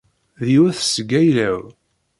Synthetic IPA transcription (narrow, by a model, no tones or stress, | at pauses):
ðiuθsɡæjlæw